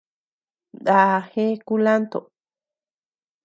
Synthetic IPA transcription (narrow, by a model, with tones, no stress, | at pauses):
d̪a˨he˦ku˦la˦nt̪o˨